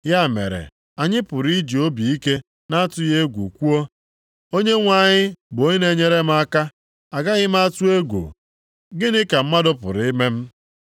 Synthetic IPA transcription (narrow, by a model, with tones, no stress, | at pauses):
ja˦˨mḛ˨ɾḛ˨ | a˨ɲɪ˦pʊ˨ɾi˦d͡ʒi˨o˦bi˨i˦ke˦ | na˦a˦tʊ˦je˦ɡʷu˨kʷu˦o˦ | o˦ɲe˦ŋʷa˨ɲɪ˦bo˦ɲe˦ne˦ɲe˦ɾe˦m̩˦a˦ka˦ | a˨ɡa˦ɣɪ˦m̩˦a˦tʊ˦e˦ɡʷṵ˨ | ɡɪ˦nɪ˦ka˨m̩˦ma˦dʊ˦pʊ̰˨ɾɪ˦me˦m̩˦